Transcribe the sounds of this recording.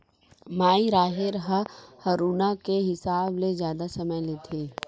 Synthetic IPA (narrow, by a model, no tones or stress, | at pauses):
maːiɾaːɦɪɾɦəhɐɾuːnakeɦɪsaːblezjaːd̪asɐməjleːt̪ʰeː